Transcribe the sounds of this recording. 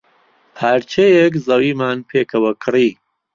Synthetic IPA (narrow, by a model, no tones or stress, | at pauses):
pʰaːɾt͡ʃʰejekzɐwiːmaːnpʰeːkʰɐwɐkʰɨriː